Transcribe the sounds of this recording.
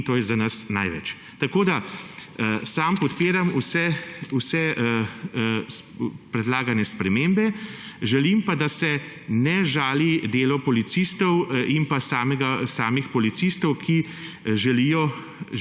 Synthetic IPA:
t̪oːjɛzanasna̰jʋɛ̰t͡ʃ | t̪akoːd̪a | saːmpɔt̪peːɾamusɛusɛ | spɾɛd̪laːɡanɛspɾɛmeːmbɛ | ʒɛlimpad̪asɛ | nɛʒaːlid̪eːlɔpɔlit̪sist̪ɔwimpasaːmɛɡasaːmixpɔlit̪sist̪ɔwkʰi | ʒɛlijɔ

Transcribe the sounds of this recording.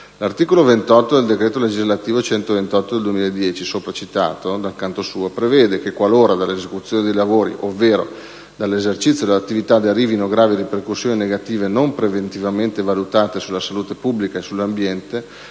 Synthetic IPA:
lart̪iːkolovent̪ɔt̪ːod̪eld̪ekɾeːt̪oled͡ʒizlat̪iːvot͡ʃɛnt̪ovent̪ɔt̪ːod̪eld̪uwemilaed̪ːjɛːt͡ʃisoːpɾat͡ʃit̪a̰ːt̪od̪alkant̪osuːopɾevɛːd̪ekekwaloːɾad̪alːezekut̪sːjoːned̪ejlavoːɾḭʔovːeːɾo̰ | d̪alːezert͡ʃit̪sjod̪elat̪ːivit̪ad̪earːiːvinoɡɾaːviɾiperkusːjoːnineɡat̪iːvenompɾevent̪ivament̪evalut̪aːt̪esulːasaluːt̪epubːlikaesulːambjɛnt̪e

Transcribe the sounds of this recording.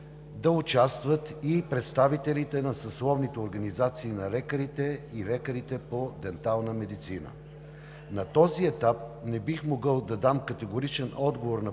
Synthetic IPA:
d̪ɐʊt͡ʃast̪vət̪ipɾɛt̪st̪avit̪ɛlit̪ɛnɐsɐslˠɔvnit̪ɛoɾɡɐnizat̪siːnɐlɛkəɾit̪ɛilɛkəɾit̪ɛpod̪ɛnt̪alˠnəmɛd̪it̪sinə̰ | nɐt̪ɔziɛt̪ap̚nɛbixmoɡɤlˠd̪ɐd̪amkɐt̪ɛɡoɾit͡ʃɛnɔd̪ɡovoɾnɐ

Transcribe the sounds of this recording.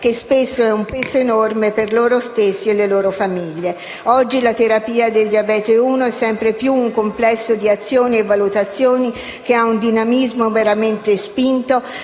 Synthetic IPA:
k̟espesːoɛumpeːsoenormeperloːɾost̪esːielːeloːɾofamiʎːe | ɔd͡ʒːilat̪eɾapiːad̪eld̪iabɛːt̪euːnoɛsːɛmpɾepjuːŋkomplɛsːod̪iat̪sːjoːnievːalut̪at̪sːjoːni | k̟eaund̪inamizmoveɾament̪espint̪o

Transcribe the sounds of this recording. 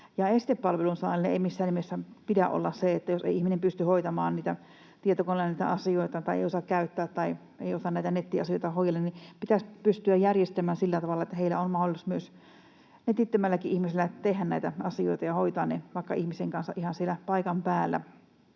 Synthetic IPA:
jɑeˑisi̥t̪eppɑlʋelunsɑ̰ːlːeḛimisːæːnːimesːæpit̪æʔo̰lːɑsseet̪ːæjosḛiihminempyst̪yhoit̪ɑmɑːnniːt̪æ | t̪iet̪okonːɑniːt̪æ̰ʔɑsioit̪ɑt̪ɑiʔḛˑiosɑkkæyt̪ːæːt̪t̪ɑi | eiosɑnæˑit̪ænet̪ːiɑsioit̪ɑhoijɑlːennipit̪æspyst̪yæjjærjest̪æmæːnsilːæt̪ɑʋɑlːɑet̪ːæheilæ̰onmɑholˑsmyøs | net̪ːit̪ːømælːækiʔihmiselːæt̪ehːænnæˑit̪æɑsio̰it̪ɑjɑhoit̪ɑːnneʋɑˑikːɑ̰ihmiseŋkɑnsɑ̰ʔihɑnsielæpɑikɑmpæːlːæ̰

